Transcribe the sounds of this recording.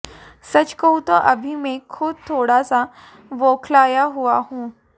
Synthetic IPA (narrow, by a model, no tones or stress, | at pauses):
sət͡ɕkəwt̪əʔəbʱimekʰːuːb̚t̪ʰoɽasa | ʋokʰlajaɦuahũ